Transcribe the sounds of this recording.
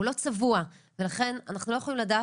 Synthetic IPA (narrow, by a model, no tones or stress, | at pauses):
ulo̞t͡savua | velaχe̞nanaχnulo̞jeolimladaː